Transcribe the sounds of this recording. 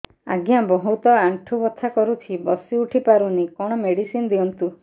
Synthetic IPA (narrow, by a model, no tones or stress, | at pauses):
a̰ɡjabɔɦut̪ɔaɳʈʰubɔt̪ʰːakɔɾut͡ʃʰibɔsiuʈʰipaɾunikɔɽ̃ɔmeɽisinɔd̪iɔnt̪u